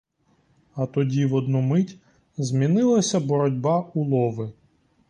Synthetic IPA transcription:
ɐt̪ɔdʲiʋɔd̪numɪtʲ | zmʲinɪlˠɐsʲɐbɔɾɔdʲbɑulˠɔʋɪ

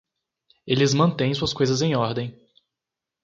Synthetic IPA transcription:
elɪzmɐ̃nt̪ẽj̃suɐskojzɐzẽj̃ɔɾd̪ẽj̃

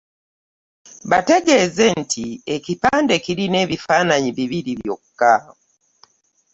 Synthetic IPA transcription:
βate̞ɡeːze̞ntʰiecipaːnde̞kiɾine̞ːβifaːnaɲiβiβiɾiβjo̰kːa

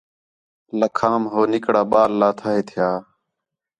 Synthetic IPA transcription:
ləkʰaːmɦoːnɪkɽaːɓaːlːaːt̪ʰaːɦeːt̪ʰɪjaː

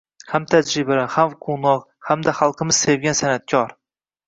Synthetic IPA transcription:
hamt̪ʰad͡ʒɾɪbahamqʰonɒq | hamd̪aχɑlˠqʰɨmɪz̥se̞vɡʲansanat̪̚kʰʲɒɾ

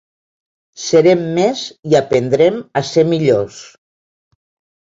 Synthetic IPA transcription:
səɾemːeziapend̪ɾemasemiʎos

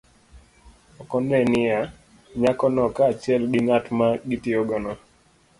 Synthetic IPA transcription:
ɔkɔnɛnɪa | ɲakɔnɔkaːt͡ʃɪɛlɡɪŋatmaɡitɪɔɡɔnɔ

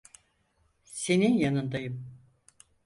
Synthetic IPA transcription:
se̞ninjanɯnd̪ajɯm

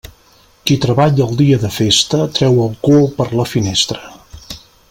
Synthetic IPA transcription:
kit̪ɾəβaʎəlˠd̪iəðəfest̪ət̪ɾɛwəlˠkopəɾləfinest̪ɾə

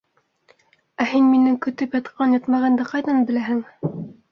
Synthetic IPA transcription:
æhinminɘŋkɵ̆t̪ɘpjɑt̪qɑnjɑt̪mɑʁɑnd̪ɑqɑjðɑnbɘ̆læɦɘŋ

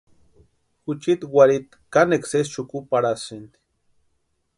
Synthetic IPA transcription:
xut͡ʃit̪waɾit̪ | kaneksest͡ʃukupaɾasind̪i̥

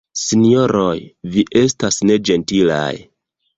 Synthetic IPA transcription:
sinio̞ɾojviʔe̞stasne̞d͡ʒe̞ntila̰j

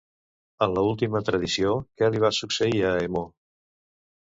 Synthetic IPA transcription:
ənləulˠt̪imət̪ɾəðisiokɛliβ̞asuksəiəemo

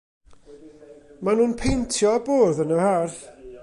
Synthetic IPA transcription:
manuːnpʰejntʰjɔboːðənəharθ

